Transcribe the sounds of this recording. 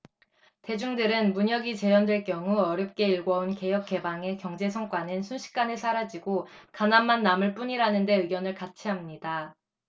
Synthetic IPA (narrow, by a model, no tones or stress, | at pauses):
te̞d͡ʑuŋdɯɾɯnmuɲʌɡit͡ɕe̞jʌndwe̞ɭk͈jʌŋuʌɾjʌp̚k͈e̞iɭɡʌunke̞jʌk̚k͈e̞baŋe̞kjʌŋd͡ʑe̞sʰʌŋk͈wanɯnsʰunɕʰi̥k̚k͈anesʰaɾad͡ʑiɡokanamːanːamɯɭp͈uɲiɾanɯnde̞ɯɡjʌnɯɭkat͡ɕʰiɦamɲida